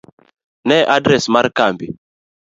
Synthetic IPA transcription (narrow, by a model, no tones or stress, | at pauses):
nɛʔadɾɛsmaɾkambi